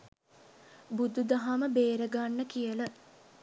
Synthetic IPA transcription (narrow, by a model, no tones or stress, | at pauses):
bud̪ud̪aɦaməbeːɾəɡanːəkijələ